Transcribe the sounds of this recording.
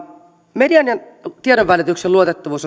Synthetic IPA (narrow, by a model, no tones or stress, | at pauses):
mediɑniɑnt̪iedoʋʋælit̪ykseluot̪et̪ːɑʋuːso